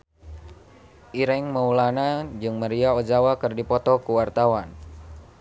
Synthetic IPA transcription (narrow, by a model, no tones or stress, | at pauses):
ʔiɾɛŋməulanad͡ʒɨŋməɾiaɔd͡ʒawakɨrdipɔt̪ɔkuwart̪awan